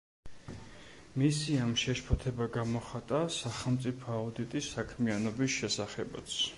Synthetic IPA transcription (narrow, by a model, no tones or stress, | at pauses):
misiamʃɛʃpʰɔt̪ʰɛbaɡamɔχat̪ʼasaχɛlˠmt̪sʼipʰɔaud̪it̪ʼisːakʰmianɔbisʃɛsaχɛbat̪sʰ